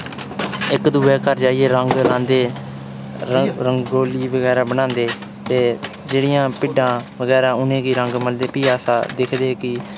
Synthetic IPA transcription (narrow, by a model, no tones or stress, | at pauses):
ɪkd̪uːbeːkəɾd͡ʒaːieːɾəŋɡlãːnd̪eː | ɾəŋɡoːliːʋəɡɛːɾaːbənãːnd̪eː | t̪eː | d͡ʒeːɽɪjãːpɪɖãːʋəɡɛːɾãːʊnẽːɡiːɾəŋɡməld̪eːpiːaːsaːd̪ɪkʰd̪eːkɪ